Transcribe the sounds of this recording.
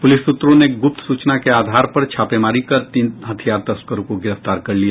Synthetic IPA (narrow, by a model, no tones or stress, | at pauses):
pʊlɪsːʊt̪ːɾõneɡʊp̚t̪suːt͡ʃnakeaːd̪ʱaːɾpɐɾt͡ʃʰaːpemaːɾikɐɾt̪iːnɦət̪ʰijaːɾt̪ɐskəɾõkoɡɪɾəft̪aːɾkɐɾlija